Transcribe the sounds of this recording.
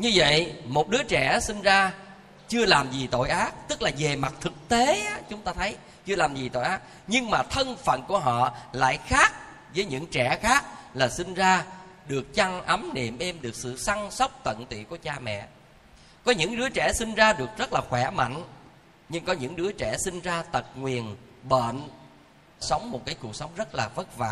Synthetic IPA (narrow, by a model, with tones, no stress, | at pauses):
ɲɨ˧və̰˧˨jmo˨˩t̚ɗɨ˨˦ət͡ɕɛ˧˩sï˧ŋzaː˧ | t͡ɕɨ˧əlaː˨˩mzi˨˩t̪o̰˧˨jʔaː˦˥k̚t̪ɨ˦˥k̚laː˨˩ve˨˩ma˨˩t̚t̪ʰɨ˨˩k̚t̪e˨˦ʔa˨˦t͡ɕʊ˨˦ŋ͡mt̪aː˧t̪ʰə˨˦j | t͡ɕɨ˧əlaː˨˩mzi˨˩t̪o̰˧˨jʔaː˨˦˥k̚ | ɲɨ˧ŋmaː˨˩t̪ʰə˧nfə̰˧˨nku˧˩əɦɔ̰˧˨la̰ː˧˨jxaː˦˥k̚ | vəː˨˦jɲɨ̰˧˥ŋt͡ɕɛ˧˩xaː˦˥k̚laː˨˩sï˧ŋzaː˧ɗɨ˨˩ək̚t͡ɕa˧ŋʔə˨˦mnḭ˧˨mʔɛ˧mɗɨ˨˩ək̚sɨ̰˧˨sa˧ŋsa˦˥wk͡p̚t̪ə̰˧˨nt̪ḭ˧˨ku˧˩ət͡ɕaː˧mɛ̰˧˨ | kɔ˨˦ɲɨ̰˧˥ŋɗɨ˨˦ət͡ɕɛ˧˩si˧ŋ̟zaː˧ɗɨ˨˩ək̚zə˦˥t̚laː˨˩xwɛ˧˩ma̰˧˨jŋ̟ | ɲɨ˧ŋkɔ˨˦ɲɨ̰˧˥ŋɗɨ˨˦ət͡ɕɛ˧˩sï˧ŋ̟zaː˧t̪ə˨˩t̚ŋwi˨˩ənɓə̰ː˧˨n | sə˨˦wŋ͡mmo˨˩t̚kaː˨˦jku˨˩ək̚sa˨˦wŋ͡mzə˦˥t̚laː˨˩və˦˥t̚va̰ː˧˨